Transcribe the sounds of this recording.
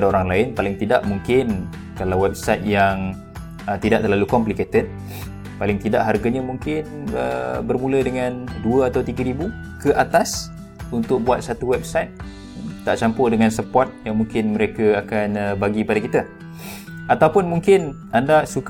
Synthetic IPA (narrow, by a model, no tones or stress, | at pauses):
daoɾaŋlaɪnpalɪŋt̪ida̰ʔmuŋkɪn | kalawɛb̚sajt̪̚jaŋ | ət̪idaʔ̚t̪ərlalukɔmpliket̪əd̪̚ | palɪŋt̪idaʔɦarɡaɲamuŋkɪnə̰bərmũlədəŋãnduəat̪awt̪iɡəɾibu | kəʔat̪as | unt̪ʊk̚buat̪̚sat̪uwɛb̚sajt̪̚ | t̪aʔt͡ʃampʊhdəŋansəpɔt̪̚jaŋmuŋkɪnməɾekaakanəbaɡipadakit̪a | at̪awpʊnmuŋkɪn | andasuk